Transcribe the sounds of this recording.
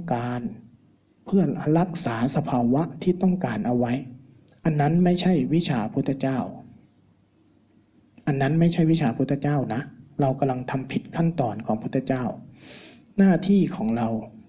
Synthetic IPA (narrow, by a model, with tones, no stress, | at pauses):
ŋkaː˨˧n | pʰɯ˥˩ɐɾa˦˥k̚saː˩˦sa˧pʰaː˧wa˦˥ʔt̪ʰiː˥˩t̪ɔ˥˩ŋkaː˨nʔa˧wa˦˥j | ʔa˧nːa˦˥nma˥˩jt͡ɕʰa˥˩jwi˦˥t͡ɕʰaː˧ʔpʰu˦˥˩t̪ʰːa˧t͡ɕaː˥˩w | ʔa˧nːa˦˥nma˥˩jt͡ɕʰa˥˩jwi˦˥t͡ɕʰaː˧pʰu˦˥˩t̪ʰːt͡ɕaː˥˩wna˦˥ʔɾa˧wka˧mla˧ŋt̪ʰa˧mpʰi˨˦˩t̪̚kʰa˥˩nt̪ɔː˧nkʰɔː˩˦ŋpʰu˥˩e˧˩t͡ɕaː˥˩w | naː˥˩t̪ʰiː˥˩kʰɔː˩˦ŋɾa˧w